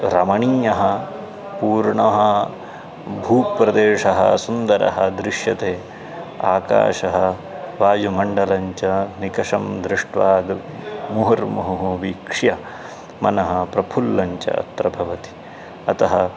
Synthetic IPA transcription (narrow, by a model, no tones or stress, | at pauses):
ɾɐmɐɳiːjɐɦɐ | puːɾɳɐɦɐ | bʱuːpɾɐd̪eːʂɐɦɐ̰sund̪ɐɾɐ̰ɦɐ̰d̪ɾɪʂjɐt̪eː | aːka̰ːʃɐɦɐ | ʋaːjumɐɳɖɐlɐɲt͡ʃɐnikɐʂɐmd̪ɾɪʂʈʋaːd̪ | muɦɐɾmɐɦuɦuʋikʂjɐ | mɐnɐɦɐpɾɐpʰulːɐɲt͡ʃɐ̰ɐ̰t̪ɾɐbʱɐʋɐt̪i̥ | ɐt̪ɐɦɐ